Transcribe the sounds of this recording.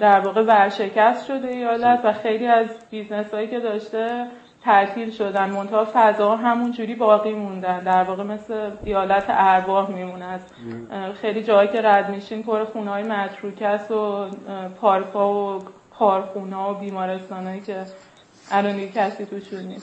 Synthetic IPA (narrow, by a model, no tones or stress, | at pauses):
d̪æɾvɒːɣe̞væɾʃe̞cʰæst̪ʃo̞d̪eejɒːlæt̪ʰvæxejliːæzb̥izne̞sɒːjice̞d̪ɒːʃt̪e̞ | t̪ʰæʔt̪ʰiːlʃod̪ænd̪mo̞nt̪ʰɒːfæzɒːɦæmund͡ʒuːɾiːbɒːɣiːmund̪ænd̪æɾvɒːɣe̞me̞sleijɒːlæt̪ʰḛʔæɾbɒːhmimunæs | xejlid͡ʒɒːɦɒjcʰe̞ɾæd̪miʃiːnpʰoɾexuːneɒːjemæt̪ʰɾuːcʰæsopʰɒːɾkʰɒːvo | pʰɒːɾxuːnɒːobiːmɒːɾe̞st̪ɒːnɒcʰe̞ | ʔælond̪iɡecʰæsiːt̪ʰuʃunnis